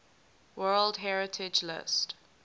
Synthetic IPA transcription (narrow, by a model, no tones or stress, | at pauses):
wɜldɦɛɹɪtʰɪd͡ʒlɪ̰st